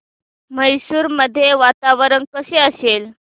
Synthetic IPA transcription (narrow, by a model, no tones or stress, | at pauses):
məjsuːɾməd̪ʱːjeʋat̪aʋɾənkəseəsel